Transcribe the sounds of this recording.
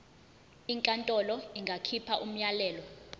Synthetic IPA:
iŋkʼantʼɔlɔiŋɡʱakʰipʰaʔum̩ɲalɛːlɔ

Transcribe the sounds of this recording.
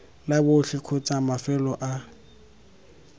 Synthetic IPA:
labʊɬɪkʰʊt͡sʼamafɛlɔʔa

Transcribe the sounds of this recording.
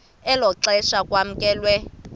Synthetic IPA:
ɛlɔǁɛʃakwam̩kʼɛːlwɛ

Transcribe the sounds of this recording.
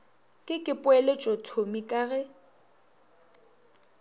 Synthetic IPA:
kʼɪkʼɪpʼʊɛlet͡ʃʼotʰomikʼaɣɛ

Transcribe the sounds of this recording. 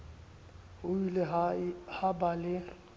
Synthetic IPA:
ʊilɛhabalɪ

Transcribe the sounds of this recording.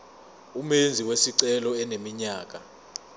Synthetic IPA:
umend͡zʱiwesiǀɛlɔɛnemiɲaːk̬ʼa

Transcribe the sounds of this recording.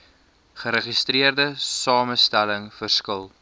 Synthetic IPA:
χəɾəχistriərdəsɑːməstæləŋfərskəlˠ

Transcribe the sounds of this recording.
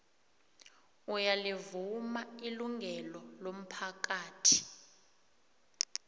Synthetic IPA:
ujalivumailuŋɡʱɛlɔlom̩pʰak̬aːtʰi̥

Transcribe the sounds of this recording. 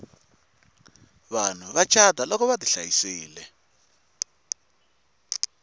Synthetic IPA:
βan̤uβat͡ʃʰadʱalɔkɔβadiɬajisiːlɛ

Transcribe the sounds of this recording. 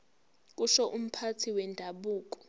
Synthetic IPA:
k̬ʼuʃɔʔum̩pʰatʰiwɛndʱaɓuːk̬ʼɔ̥

